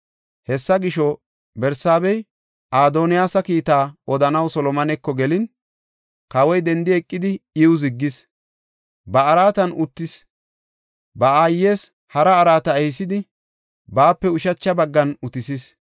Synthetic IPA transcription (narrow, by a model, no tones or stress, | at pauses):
hɛsːɐɡɪʃɔ | bɛɾsaːbɛj | ʔaːd̪onɪjaːsɐkiːt̪aːɔd̪ɐnɐwsɔlɔmɐnɛkːɔɡɛlɪn | kɐwɔjd̪ɛnd̪ɪɛkʼːɪd̪ɪɪwʊzɪɡːɪs | bɐːɾaːt̪ɐnʔʊt̪ːɪs | bɐaːjːe̞ːs | hɐɾɐːɾaːt̪ɐɛhɪsɪd̪ɪ | baːpːɛʊʃɐt͡ʃːɐbɐɡːɐnʊt̪ɪsis